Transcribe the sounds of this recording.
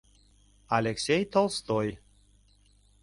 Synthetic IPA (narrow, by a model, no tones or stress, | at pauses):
alʲeksʲejt̪olˠst̪oj